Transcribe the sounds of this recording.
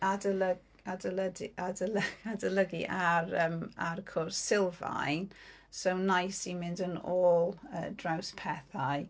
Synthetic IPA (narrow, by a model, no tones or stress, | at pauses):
adələɡ | adələdʔadələadəlˠəɡḭʔaɾəːmarkʰɔrsːɪlˠva̰jn | sownajsimɪndənɔːlˠə̰ːdrawspʰɛθaj